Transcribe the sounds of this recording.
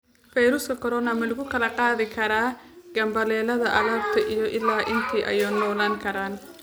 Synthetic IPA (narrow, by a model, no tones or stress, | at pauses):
fɛjɾʊskʰɐkʰɔɾɔːnɐmɐlʊɣʊkʰɐlɐqɑːðɪkʰɐɾaːɡ̥ɐmbɐlɛːlɐðɐʔɐɣaːbt̪ʰɐʔijɞʔɪlːaːʔɪnt̪ʰiːʔɐ̰jɔːnɔːlaːŋkʰɐɾaːn